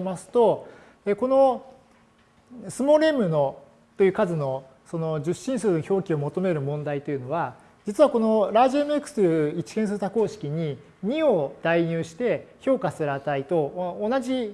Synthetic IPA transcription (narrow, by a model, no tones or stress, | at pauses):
masɨ̥t̪o̞ | eko̞no̞ | sɨmo̞ːɾemɯ̟no̞ | t̪o̞jɯ̟ːkazɨno̞ | so̞noʑɨɕːĩɰ̃sɨːnoçʲo̞ːkʲio̞mot̪o̞me̞ɾɯ̟mõ̞nd̪ait̪o̞jɯ̟no̞βa | d͡ʑit͡sɨβako̞no̞ɾaːʑiemɯekɯ̥st̪oɯit͡ɕi̥kẽ̞s̬ɨt̪ako̞ːɕi̥kʲiɲ̟i | ɲ̟iod̪̥aiɲ̟ɨːɕi̥t̪e̞ço̞ːkasɨɾɯat̪ait̪o̞ːnaʑi